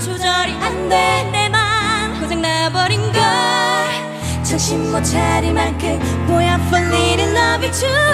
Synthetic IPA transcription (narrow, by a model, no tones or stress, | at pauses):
t͡ɕʰud͡ʑʌɾiandendemanhosʰeŋnabʌɾinɡa | t͡ɕʰʌɕimmot͡ɕʰaɾimankʰɯ | bojapʌnːiɾɯnːʌvit͡ɕʰu